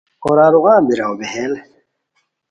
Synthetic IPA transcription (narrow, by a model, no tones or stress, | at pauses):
oɾaːɾuɣãːbiɾawbeɦel